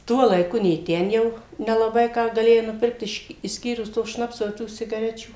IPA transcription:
ˈtuɔ lˠɐɪˈkʊ nʲeː ˈtʲɛn jɛʊ nʲɛlˠɐˈbɐɪ ˈkɑː ɡɐˈlʲeːjɛɪ nʊˈpʲɪrkt ˈɪʃ ɪʃʲˈsʲkʲiːrʊs toː ˈʃnɑːpsoː ɪ ˈtuː ˈsʲɪɡɐrʲɛt͡ʃʲuː

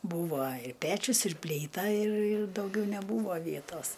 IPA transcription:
ˈbuːʋoː ɪ ˈpʲæːt͡ʃʲʊs ɪr pʲlʲiːˈtɐ ɪr ɪr dɐʊˈɡʲɛʊ nʲɛˈbuːʋoː ˈʋʲiɛtoːs

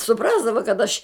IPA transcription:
sʊˈprɑːzdɐʋɐ kɐt ɐʃ

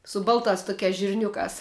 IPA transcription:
sʊ ˈbɐlˠtɑːs ˈtʊkʲæːs ʒʲɪrʲˈnʲʊkɑːs

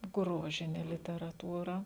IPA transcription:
ˈɡroːʒʲɪnʲɛ lʲɪtʲɛrɐˈtuːrɐ

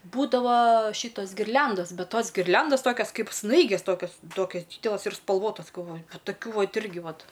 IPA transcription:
ˈbuːdɐʋoː ˈʃʲiːtoːs ɡʲɪrʲˈlʲɛndoːs ˈbʲɛt ˈtoːs ɡʲɪrʲˈlʲɛndoːs ˈtoːkʲoːs ˈkɐɪp ˈsnɐɪɡʲeːs ˈtoːkʲoːs ˈtoːkʲɛs ˈdʲiːdʲɛlˠɐs ɪr spɐlˠˈʋoːtɐs ɡɐlˠˈʋoːjʊ nʊ tɐˈkʲuː ˈʋɐt ˈɪrʲɡʲɪ ˈʋɐt

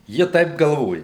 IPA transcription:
ˈjɪ ˈtɐɪp ɡɐlˠˈʋoːjɛ

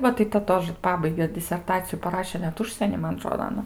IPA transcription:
ˈʋɐ tɐɪ tɐ ˈtoːʒə ˈpɑːbɐɪɡʲɛ dʲɪsʲɛrˈtɑːt͡sʲɪjʊ pɐˈrɑːʃʲɛ nʲɛt ˈʊʃʲsʲiɛnʲiː ˈmɐn ɐˈtroːdoː ɐˈnɐ

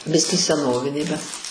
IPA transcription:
ˈbʲɪsʲkʲiː sʲɛˈnoːʋʲɪnʲeː bʲɛt

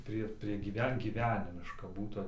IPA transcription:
ˈpʲrʲiɛ pʲrʲiɛ ɡʲiːˈʋʲɛn ɡʲiːˈʋʲæːnʲɪmʲɪʃkɐ ˈbuːtʊ

